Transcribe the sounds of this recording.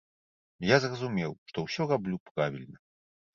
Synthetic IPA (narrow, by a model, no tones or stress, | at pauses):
jazrɐzumʲɛwʂt̪ɔwsʲɔrablʲupɾavʲilʲnɐ